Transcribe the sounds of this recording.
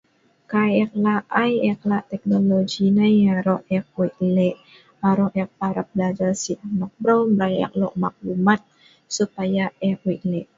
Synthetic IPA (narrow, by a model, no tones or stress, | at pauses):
kajɛk̚laʔʔajɛk̚laʔt̪ɛk̚noloɡinajaɾɔɛk̚wiʔlɛʔ | aɾɔʔɛk̚paɾap̚blad͡ʒarsiʔnɔk̚bɾowmɾaja̰k̚lɔ̰ʔ̚mak̚lumat̪̚ | supajaɛkwiʔlɛʔ